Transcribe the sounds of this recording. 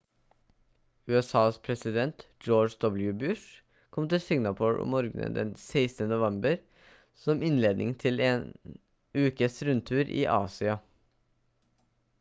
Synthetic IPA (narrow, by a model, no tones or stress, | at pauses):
ʉːɛsɑːspʰɾɛsɪd̪ɛnt̪d͡ʒoːd͡ʒd̪ɔbljʉbʉʂ | kʰɔmt̪ɪlsɪŋnɑpʰuːɹɔ̰mːoːɾɡnə̰d̪ɛ̰nseɪsnənʊʋɛmbəɾ | sɔmɪnleːd̪nɪ̰ŋt̪ʰɪleːn | ʉːkəsɾʉnt̪ʰʉːɾʔḭːʔɑ̰ːsɪɑ